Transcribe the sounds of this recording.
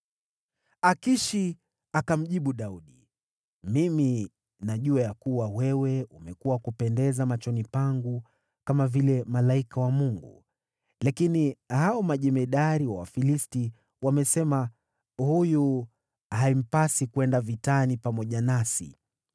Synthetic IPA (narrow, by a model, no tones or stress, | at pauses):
akiʃi | akam̩ʄiɓuɗauɗi | mimi | naʄuajakuwawɛwɛumɛkuwakupɛndɛzamat͡ʃɔnipaŋɡu | kamavilɛmalaikawamuŋɡṵ | lakinihaɔmaʄɛmɛɗaɾiwawa̰filisti | wamɛsɛma | huju | haim̩pasikuɛndavitanipamɔʄanasḭ